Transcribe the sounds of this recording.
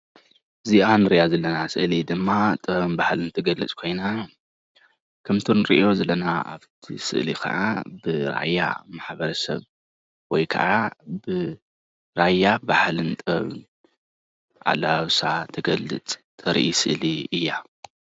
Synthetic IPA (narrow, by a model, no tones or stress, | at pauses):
ziʔanɨɾijazɐlːɐnasɨʔlid̪ɨmːat̪ʼɨɐβɨnbahlɨnt̪ʰɐɡɐlɨ̰t͡sʼkʰo̞jna | kʰɐmt̪ʰonɾḭʔio̞zɐlːɐnaa̰βt̪ʰḭsɨ̰ʔlikʰɐ̰ʕabɨɾa̰jːa̰maħbɐɾɐsɐ̰β | wɔjkʰɐ̰ʕabɨ | ɾajːabaħlɨnt̪ʼɨɐ̰βɨ̰n | ʕa̰laβsat̪ʰɐɡɐlːɨ̰t͡sʼt̪ʰɐɾʔisɨʔliɨjːa